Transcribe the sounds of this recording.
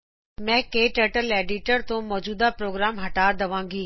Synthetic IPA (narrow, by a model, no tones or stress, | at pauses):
mɛ̃ːkeːʈəʈəleːɖiʈəɾt̪õmɔːd͡ʑuːd̪apɾoːɡɾaːmɦɐʈaːɾd̪ɐʋãːŋɡiː